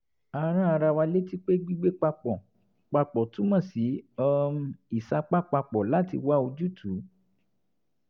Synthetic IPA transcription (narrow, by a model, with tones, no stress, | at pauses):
a˧ɾ̃ã˦a˧ɾa˧wa˧le˦ti˦k͡pe˦ɡ͡bi˦ɡ͡be˦k͡pa˧k͡pɔ˨ | k͡pa˧k͡pɔ˨tũ˦mã˦˨si˨˦ɔ˦˧i˦˨sa˧k͡pa˦k͡pa˧k͡pɔ˨la˨˦tḭ˧wa˦o˧d͡ʒu˦tʰu˨˦